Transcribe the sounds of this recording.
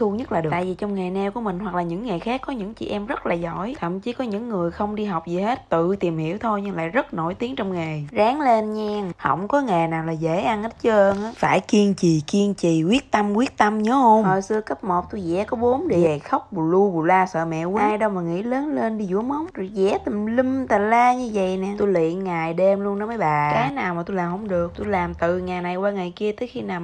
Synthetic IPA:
t̪ʰu˧ɲə˦˥t̚laː˨˩ɗt̪a̰ː˧˨jvi˨˩t͡ɕɔ˧wŋ͡mŋaː˨˩nɛ˧wku˧˩əmï˨˩ŋ̟ɦwa˨˩k̚laː˨˩ɲɨ̰˧˥ŋːa˨˩jxaː˦˥kːɔ˨˦ɲɨ̰˧˥ŋt͡ɕḭ˧˨ʔɛ˧mzə˦˥t̚laː˨˩zɔ̰˧˥˨jt̪ʰə̰˧˨mt͡ɕi˨˦kɔ˨˦ɲɨ̰˧˥ŋːɨ˨˩əjxə˧wŋ͡mɗi˧ɦa˨˩wk͡p̚zi˨˩he˦˥t̚t̪ɨ˧˨t̪i˨˩mhḭ˧˩˥əwt̪ʰo˧jɲɨ˧ŋla̰ː˧˨jzə˦˥t̚no˧˩jt̪i˨˦əŋt͡ɕɔ˧wŋ͡mŋa˨˩jzaː˨˦ŋle˧nɲɛː˧ŋhə̰˧˩˨wŋ͡mkɔ˨˦ŋa˨˩jnaː˨˩wlaː˨˩ze˧˩˥ʔa˧nʔə˦˥t̚t͡ɕə˧ʔəː˧ŋʔaː˨˦faː˧˩jki˧əŋt͡ɕi˨˩ki˧əŋt͡ɕi˨˩kwi˦˥ət̚t̪a˧mkwi˦˥ət̚t̪ə˧mɲɔ˨˦ho˧wŋ͡mhəː˨˩jsɨ˧əkə˦˥t̚mo˨˩t̚t̪u˧zɛ̰˧˥kɔ˨˦ɓo˨˦mɗe˧˩a˨˩xə˦˥wk͡p̚ɓu˨˩lu˧ɓu˨˩laː˧sə̰ː˧˨mɛ̰˧˨wiː˨˦˧jɗo˧wmaː˨˩ŋḭ˧˥ləː˨˦nle˧nɗi˧zṵ˧˥˦əmə˨˦wŋ͡mzo˨˩zɛ̰˧˩t̪i˨˩mli˧mt̪aː˨˩laː˧ɲɨ˧və̰˧˨jnɛ˨˩u˧lḭ˧˨ənŋaː˨˩jɗe˧mlu˧ənːə˨˦maː˨˦jɓaː˨˩kaː˨˦jnaː˨˩wmaː˨˩t̪u˧laː˨˩hə˧˦wŋ͡mɗɨ˨˩ək̚t̪u˧laː˨˩mt̪ɨ˨˩ŋaː˨˩jna˨˩jwaː˧ŋaː˨˩jki˧ət̪əː˨˦jxi˧naː˨˩m

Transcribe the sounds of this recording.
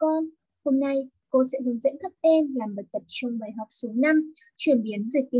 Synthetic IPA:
kɔ˧n | ho˧mna˧j | ko˧sɛ̰˧˥ɦɨ˨˦əŋzə̰˧˥nxə˦˥p̚ʔɛ˧mlaː˨˩mɓə˨˩t̚t̪ə˨˩p̚t͡ɕɔ˧wŋ͡mɓaː˨˩jɦa˨˩wk͡p̚su˨˦na˧m | t͡ɕwi˧˩ənɓi˨˦ənve˨˩k̪̚i˧˦

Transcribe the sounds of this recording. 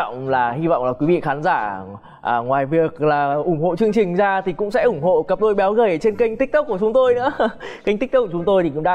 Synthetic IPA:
wŋ͡mlaː˨˩hi˧va̰˧˨wŋ͡mlaː˨˩kwi˨˦vḭ˧˨xaː˨˦nzaː˧˩ | ʔːŋwaː˨˩jvi˨˩ək̚laː˨˩ʔʊ˧˩ŋ͡mho̰˧˨t͡ɕɨ˧əŋt͡ɕï˨˩ŋ̟zaː˧t̪ʰi˨˩kʊ̰˧˥ŋ͡msɛ̰˧˥ʔʊ˧˩ŋ͡mho̰˧˨kə˦˥p̚ɗo˧jɓaː˨˦wɣəː˧˩jt͡ɕe˧nki˧jŋ̟t̪i˦˥k̚t̪k͡p̚ku˧˩ət͡ɕʊ˨˦ŋ͡mt̪o˧jnɨ̰˧˥əka˧jŋi˦˥t̪k̚ːʊ˨˦ŋ͡mt̪o˧jt̪i˨˩ʊ̰˧˥ŋ͡mɗa̰˧

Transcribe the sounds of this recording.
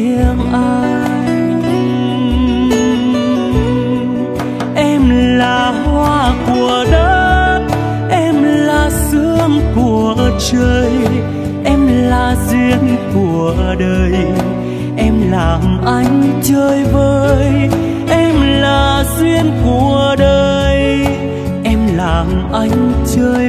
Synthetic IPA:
i˧əŋʔa˧ | ʔɛ˧mlaː˨˩ | hwaː˧ku˨˩əɗə˦t̚ | ʔɛ˧mlaː˨˩sɨ˧˥əŋku˨˩ət͡ɕəː˧j | ʔɛ˧mlaː˨˩zi˧ənku˨˩əɗəː˧j | ʔɛ˧mlaː˨˩mʔa˧˦jŋ̟t͡ɕəː˧jvəː˧j | ʔɛ˧mlaː˨˩zwi˧ənku˨˩əəɗəː˧j | ʔɛ˧mlaː˨˩mʔa˧jŋ̟t͡ɕəː˧j

